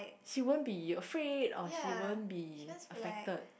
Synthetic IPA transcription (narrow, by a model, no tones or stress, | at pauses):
ʃiwõnbiəfɹedɔʃiwõnbiəfɛk̚təd̚